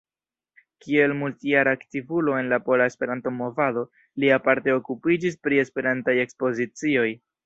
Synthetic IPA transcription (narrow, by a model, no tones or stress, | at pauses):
kie̞lmultijaɾaktivulo̞e̞nlapo̞lae̞spe̞ɾanto̞mo̞vado̞ | liapaɾte̞o̞kupid͡ʒispɾie̞spe̞ɾantaje̞kspo̞zit͡sio̞j